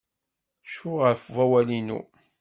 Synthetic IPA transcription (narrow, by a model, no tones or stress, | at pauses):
ʃʊʁəɾfvæwælinṵ